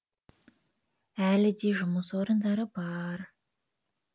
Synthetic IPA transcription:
ælɪd̪eʒʊməsoɾənd̪ɑɾəbɑɾ

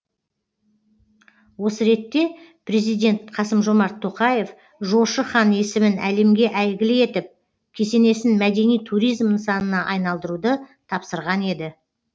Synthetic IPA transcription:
wo̞səɾe̞t̪ːe̞pʰɾe̞zijd̪ʲe̞nt̪qʰɑsəmʒo̞mɑɾt̪ʰːo̞qɑje̞f | ʒo̞ʃəχɑne̞sɪmɪnæ̰le̞mɡʲe̞ʔæjɡʲɪlɪe̞t̪ɪp̚ | kʲʰe̞se̞ne̞sɪnmæd̪e̞nijt̪ʰuɾijzmsɑnənɑʔɑjnɑlˠd̪əɾud̪ət̪ʰɑpsəɾʁɑne̞d̪ɪ

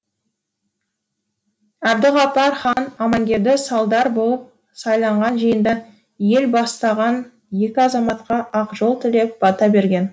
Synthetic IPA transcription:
æbd̪ɪʁɑpɑɾχɑnɑmɑŋɡʲe̞ɾd̪ɪsɑlˠd̪ɑɾbo̞lˠəp̚ | sɑjlˠɑɴʁɑnʒijənd̪ɑ | je̞lbɑst̪ɑʁɑn | je̞kʲɪɑzɑmɑt̪qɑʔɑqʒo̞lˠt̪ʰɪle̞p̚bɑt̪ɑbe̞ɾɡʲe̞n

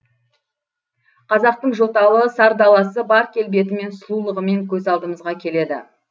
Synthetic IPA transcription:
qʰɑzɑq̚t̪əɴʒo̞t̪ɑlˠəsɑɾd̪ɑlˠɑsəbɑɾkʲʰe̞lbe̞t̪̬ɪme̞nsʊlˠulˠəʁəme̞ŋkʲʰɵzɑlˠd̪əməzʁɑkʲʰe̞le̞d̪ɪ̰

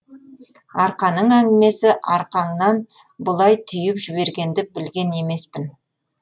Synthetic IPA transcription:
ɑɾqɑnəɴæŋɡʲɪme̞sɪʔɑɾqɑɴnɑn | bʊlˠɑjt̪ʰʏjɪpʒɪβe̞ɾɡʲe̞nd̪ɪbɪlɡʲe̞ne̞me̞spɪn

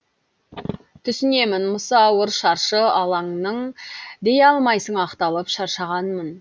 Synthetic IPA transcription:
t̪ʰʏsɪne̞mɪnmʊsɑːwəɾʃɑɾʃəɑlˠɑŋnəɴd̪e̞jɑlˠmɑjsəɴɑqt̪ɑlˠəpʃɑɾʃɑʁɑnmən

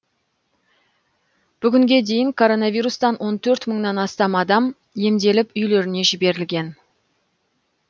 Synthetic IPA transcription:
b̥ʏɡʲɪŋɡʲe̞d̪e̞jɪŋkʰo̞ɾo̞nɑvʲijɾust̪ɑnwo̞nt̪ʰɵɾt̪məɴnɑnɑst̪ɑmɑd̪ɑm | je̞md̪e̞lɪpʏjle̞ɾɪne̞ʒɪbe̞ɾɪlɡʲe̞n

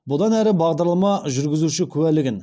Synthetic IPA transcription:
bʊd̪ɑnæɾɪbɑʁd̪ɑɾlˠɑmɑʒʏɾɡʲɪzuʃɪkʲʰʉwælɪɡʲɪn

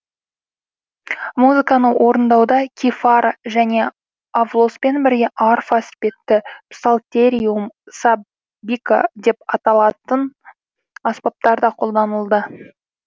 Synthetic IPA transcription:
muzɨkɑnəwʔo̞ɾənd̪ɑwd̪ɑkʲʰifaɾʒæne̞ | avlˠo̞spe̞nbɪɾɡʲe̞ʔɑrfaspe̞t̪ːɪpsalˠt̪ʲeɾʲiumsab | bʲika̰d̪e̞pɑt̪ɑlˠɑt̪ən | ɑspɑp̚t̪ɑɾd̪ɑqʰo̞lˠd̪ɑnəlˠd̪ə

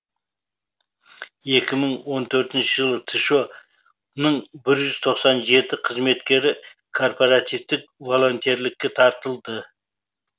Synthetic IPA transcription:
je̞kʲɪməɴwo̞nt̪ʰɵɾt̪ɪnʃɪʒəlˠət̪ʰiʃo̞ | nəɴbɪɾʒʏz̥t̪ʰo̞qsɑnʒe̞t̪ɪqʰəzme̞t̪kʲe̞ɾɪ | kʰo̞rpoɾat̪ivt̪ɪk̚vo̞lˠo̞nt̪eɾlɪkʲːe̞t̪ʰɑɾt̪əlˠd̪ə

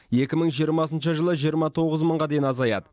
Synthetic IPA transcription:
je̞kʲɪməɴʒijəɾmɑs̬ənʃəʒəlˠəʒijəɾmɑt̪ʰo̞ʁəzməɴʁɑd̪e̞jɪnɑzɑjɑ̰d̪ə

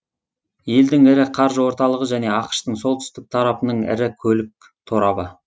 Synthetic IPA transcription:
je̞ld̪ɪŋɪɾɪqʰɑɾʒəwo̞ɾt̪ɑlˠəʁəʒæne̞ɑqʃt̪əɴso̞lˠt̪ʰʏ̥st̪ɪk̚t̪ʰɑɾɑpənəɴɪ̰ɾɪkʲʰɵlɪk̚ | t̪ʰoɾɑbə

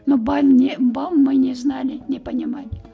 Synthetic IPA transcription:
nobamʲnʲɪbamːɨnʲɪznalʲɪnʲɪpənʲɪmalʲɪ

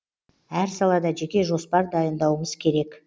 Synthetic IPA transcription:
æɾsɑlˠɑd̪ɑʒe̞kʲe̞ʒo̞spɑɾd̪ɑjənd̪ɑwəməzkʲʰe̞ɾe̞k

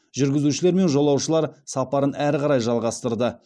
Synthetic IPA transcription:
ʒʏɾɡʲɪzuʃɪle̞ɾme̞nʒo̞lˠɑwʃəlˠɑɾsɑpɑɾənæɾqɑɾɑjʒɑlˠʁɑst̪əɾd̪ə

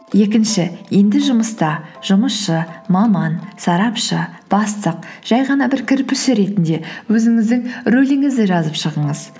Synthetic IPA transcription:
je̞kʲɪnʃɪje̞nd̪ɪʒʊməst̪ɑʒ̥ʊməsʃəmɑmɑnsɑɾɑpʃəb̥ɑst̪əq̚ʒ̥ɑjʁɑnɑbɪɾkʲʰɪɾpɪʃɪɾe̞t̪ɪnd̪e̞wɵzɪŋɪzd̪ɪŋɾɵlɪŋɪzd̪ɪʒɑzəpʃəʁəɴəz

